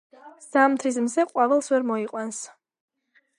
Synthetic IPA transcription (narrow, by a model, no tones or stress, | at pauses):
z̥amt̪ʰɾis̬mzɛqʼwavɛlˠsvɛɾmɔiqʼwans